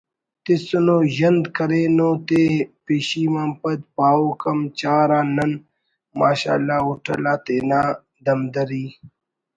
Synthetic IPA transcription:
t̪isunoːʑɐnd̪kɐɾeːnoːt̪epeːɕiːmampɐd̪̚paːoːkɐmt͡ɕaːɾãːnɐn | maːɕa̰ːlːaːuʈʰɐ̰laːt̪eːnaː | d̪ɐmd̪ɐɾiː

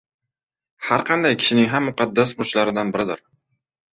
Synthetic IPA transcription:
haɾqʰɑnd̪ajkʲʰɪ̥ʃɪnɪŋɦamːʊqʰɑd̪ːasbʊt͡ʃlaɾɪd̪anbɪɾɪd̪ɪɾ

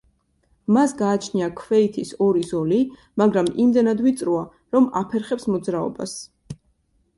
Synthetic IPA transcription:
masɡaːt͡ʃʰniakʰvɛit̪ʰisɔɾizɔli | maɡɾamimd̪ɛnad̪vit̪sʼɾua | ɾɔma̰pʰɛɾχɛpsmɔd̪zɾaɔ̰ba̰s

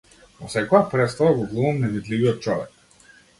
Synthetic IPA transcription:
vɔsɛkɔjapɾɛt̪st̪avaɡɔɡlˠuvamnɛvid̪liviɔt̪̚t͡ʃɔvɛ̰k̚

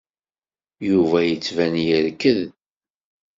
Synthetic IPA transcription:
juvæjət͡sːvænjəɾkəð

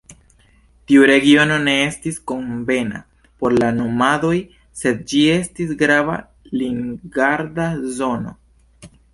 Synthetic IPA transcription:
tiuɾe̞ɡio̞no̞ne̞e̞stisko̞ɱve̞na̰ | po̞ɾlano̞mado̞j | se̞d̪̚d͡ʒie̞stisɡɾava̰ | liŋɡaɾdazo̞no̞̰

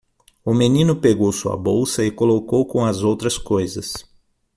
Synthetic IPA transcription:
ʊmenĩnʊpeɡowsuɐ̰bowsɐɪkolokowkõw̃ɐzowt̪ɾɐskojzɐs

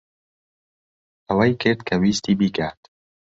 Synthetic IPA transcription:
ɐwɐjkʰɨɾd̪kʰɐwiːst̪iːbikʰaːt̪

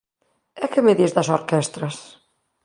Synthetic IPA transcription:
ɛkemeðizðɐsoɾkɛst̪ɾɐs

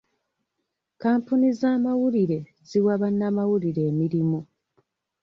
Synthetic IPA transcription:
kaːmpunizaːmawuliɾe̞ | ziwaβanːamawuliɾe̞ːmiɾimu

